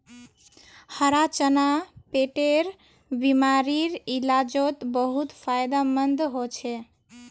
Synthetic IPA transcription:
həɾat͡ʃənapeʈeɾ | bimaɾiɾilad͡ʒot̪bəɦut̪pʰajd̪amənd̪ɦot͡ʃʰe

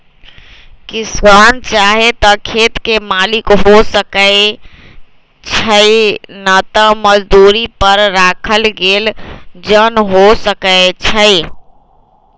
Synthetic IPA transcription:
kisant͡ʃaɦet̪əkʰet̪kemalikɦosəkə | t͡ʃʰəjnət̪əməd͡ʒd̪uɾipəɾːakʰəlɡeld͡ʒənɦosəkəjt͡ʃʰəj

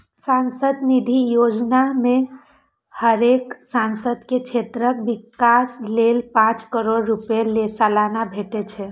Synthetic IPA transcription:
sansəd̪nid̪ʱijod͡ʒnamẽ | həɾeksansəd̪ʱkekt͡ʃʰet̪ɾək̚bikaslelpãt͡ʃkəɾoɽɾupelesalanabʱeʈet͡ʃʰɛ

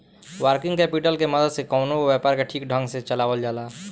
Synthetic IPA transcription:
wəɾkĩŋɡkɛpiʈəlkeməd̪əd̪sekɔʊnobjapaɾkeʈʰiːk̚ɖʱə̃ŋɡset͡ʃəlaːwəld͡ʒaːla

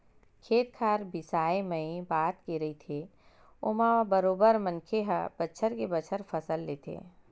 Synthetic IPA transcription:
kʰeːt̪kʰaːɾbɪsaːeməĩbaːt̪keɾɐɦit̪ʰe | ʊmãbəɾoːbəɾmə̃nkʰeɦəb̥ətːʃʰəɾkebət͡ʃʰəɾpʰɐsəlːeːt̪ʰḛː

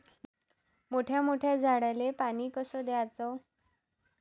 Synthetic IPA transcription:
moʈʰjamoʈʰjad͡zʱaɽalepaɽ̃iːkəsɔd̪jaat͡sɔ

